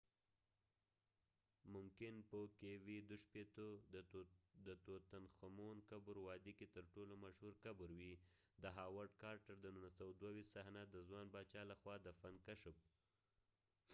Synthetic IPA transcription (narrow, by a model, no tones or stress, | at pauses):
mʊmkɪnpokewid̪ʊʃpet̪o | d̪ət̪ot̪anxamonkabʊɾwɑd̪iket̪əɾʈolomaʃhuɾkabʊɾwi | d̪əɦɑwaɾɖkɑɾʈaɾd̪ənunasawad̪wawist̪sahnad̪əzwɑnbɑt͡ʃɑlaxwɑd̪əfankaʃəp̚